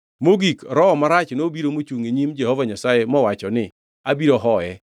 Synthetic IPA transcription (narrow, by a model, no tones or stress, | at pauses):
moɡikɾɔmaɾat͡ʃnobiɾomot͡ʃuŋeɲimd͡ʒɛhɔvaɲasajemɔwat͡ʃɔnɪ | abiɾoɦɔjɛ